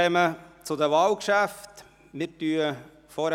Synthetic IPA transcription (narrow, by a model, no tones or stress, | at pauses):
ɛmət͡sʊd̪əʋɑːlkʃæft̪ | mɪɾtyːə | fɔɾ